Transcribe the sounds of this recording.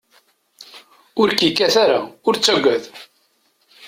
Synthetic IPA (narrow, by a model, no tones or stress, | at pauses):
ʊɾkikːæθaɾaʊɾt͡sːæɡʷːæð